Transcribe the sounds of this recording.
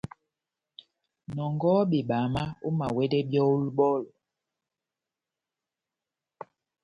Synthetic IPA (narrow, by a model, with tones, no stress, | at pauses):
nɔ˨ŋɡɔ˦bi˨ɓa˨ma˦u˦ma˨wɛ˦dɛ˦bjɔ˦u˦lɓɔ˦˨l